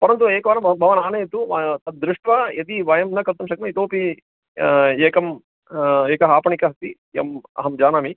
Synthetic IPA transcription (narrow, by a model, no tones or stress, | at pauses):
pɐɾɐnt̪̬ueːkɐʋaːɾɐmbʱɐʋɐnaːneːt̪ut̪ɐd̪ɾuʂʈʋajɐt̪iʋɐjɐmnɐkɐt̪ːɐmʃɐkmɐit̪oːpi | eːkɐm | eːkɐɦaːpɐɳikɐɦɐt̪i | jɐ̰mɐ̰ɦɐmd͡ʒaːnaːmi